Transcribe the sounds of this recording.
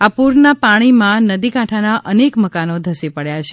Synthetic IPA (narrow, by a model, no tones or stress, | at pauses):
apuɾnapaɽ̃imãnəd̪ikãʈʰanaʔənekməkanod̪ʱəsipəɽjat͡ʃʰe